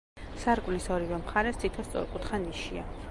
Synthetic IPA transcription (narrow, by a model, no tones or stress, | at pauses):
saɾkʼvlisɔɾivɛmχaɾɛst̪ʰit̪ʰɔst̪sʼɔ̰ɾkʼut̪χaniʃia